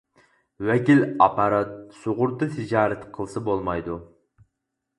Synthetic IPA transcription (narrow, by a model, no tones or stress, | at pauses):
wɛkʲilɑpʰɑɾɑt̪̚soʁʊɾt̪ɨt̪ʰɪd͡ʒɑːɾɛt̪qʰəlˠsɨbolˠmɑjd̪u